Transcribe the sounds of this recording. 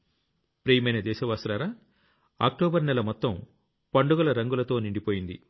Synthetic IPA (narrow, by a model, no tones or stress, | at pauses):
pɾeːjɐmɐjnɐd̪ɛːʃɐʋaːsɐlaːɾaː | a̰ːk̚ʈoːbɐɾnɛlɐmɔt̪ːɐm | pɐɳɖuɡɐlɐɾɐŋɡulɐt̪o̞ːniɳɖipoːjind̪ḭ